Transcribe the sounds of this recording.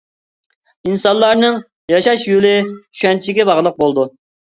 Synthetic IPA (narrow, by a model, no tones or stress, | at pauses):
insɑnlˠɑɾnɨŋ | jɑʃɑʃjulɪy̥ʃɛnt͡ʃʰɪɡʲɛbɑʁlˠəq̚bolˠd̪u